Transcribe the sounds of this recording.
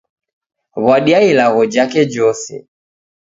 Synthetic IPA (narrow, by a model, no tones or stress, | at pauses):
βwaɗiailaɣɔd͡ʒakɛd͡ʒɔsɛ̰